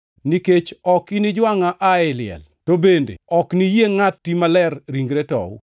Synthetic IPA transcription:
niket͡ʃɔkinid͡ʒwaŋaʔaɛlɪɛ̰l | tobendḛɔknijeŋatːimalɛrɾiŋɡɾetɔ̰w̰

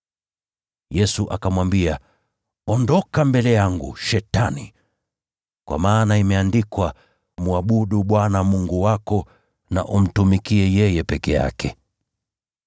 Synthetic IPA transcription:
jɛsuʔa̰kamwambia | ɔndɔkambɛlɛjaŋɡṵʃɛtanḭ | kwʔa̰maːnaimɛandikwa | muaɓuɗuɓwanamuŋɡuwakɔ | na̰ʔum̩tumikiɛjɛjɛpɛkɛja̰kʰɛ

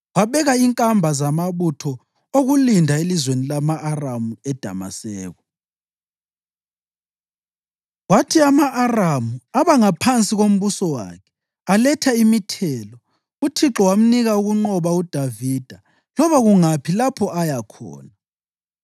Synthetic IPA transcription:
waβɛɣaiŋkʼambʱazamaβutʰɔ | oɣulindʱaelizwenilamaʔːramuɛd̥ʱa̰ma̰sɛːɣɔ | watʰiamaʔːramuaβaŋapʰant͡sʼiɣom̩βusɔwa̰kʰɛ̥ | alɛtʰaimitʰɛlɔ | utʰiǁɔwam̩niɣauɣuŋ͡ǃɔβaud̥ʱaviːd̥ʱa | lɔβaɣuŋapʰilapʰɔajakʰɔ̰ːna

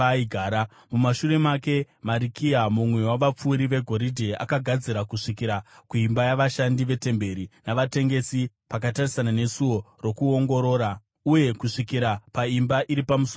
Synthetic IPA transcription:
iɡʱaːɾa | mumaʃuɾe̞make̞ | maɾikiamumwe̞waʋap͡fuːɾiʋe̞ɡʱo̞ɾidʱea̰kaɡʱad͡ziɾakuʂikiɾakuimbajaʋaʃandiʋe̞te̞mbe̞ɾinaʋate̞ŋɡe̞si | pakatarisanane̞suwo̞ro̞kuo̞ŋɡo̞ɾo̞ːɾa | uje̞kuʂikiɾapaimbaʔiɾipamuso

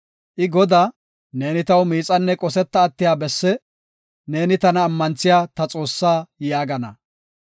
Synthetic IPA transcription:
ʔɪɡɔd̪aː | ne̞ːnɪt̪ɐwmiːt͡sʼɐnːɛkʼɔsɛt̪ːɐːt̪ːɪjaːbɛsːɛ | ne̞ːnɪt̪ɐnɐːmːɐnt͡sːɪjaːt̪ɐt͡sʼo̞ːsːaːjaːɡɐnɐ

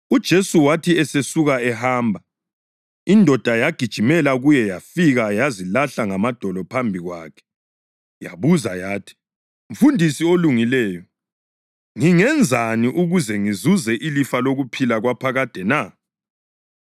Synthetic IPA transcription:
ud̥ʒ̥ʱesuwatʰiɛsesuɣaɛhaːmbʱa | indʱɔd̥ʱajaɡ̥ʱid̥ʒ̥ʱimɛlaɣujɛjafiɣajazilaɬaŋamad̥ʱɔlɔpʰambʱiɣwa̰ːkʰɛ̥ | ja̰βuzajaːtʰi̥ | uɱ̩fundʱisioluŋilɛːjɔ | ŋiŋɛnd͡zʱaniʔuɣuzɛŋizuzɛʔilifaloɣupʰilaɣwapʰaɣad̥ʱɛna

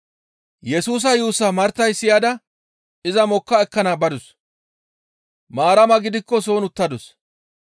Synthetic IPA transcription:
jɛsuːs̬ɐjuːsɐmɐɾt̪ɐjsɪjad̪ɐ | ɪzɐmɔkːɐɛkːɐnaːbɐd̪ʊs | maːɾɐmɐɡɪd̪ɪkːɔs̬o̞ːnʊt̪ːɐd̪ʊs

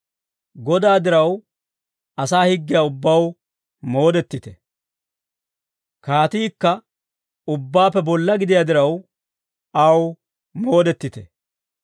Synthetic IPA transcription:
ɡɔd̪aːd̪ɪɾɐw | ɐsaːhɪɡːɪjaːʊbːɐw | mo̞ːd̪ɛt̪ːɪt̪ɛ | kaːt̪iːkːɐ | ʊbːaːpːɛbɔlːɐɡɪd̪ɪjad̪ɪɾɐw | ɐw | mo̞ːd̪ɛt̪ːɪt̪ɛ

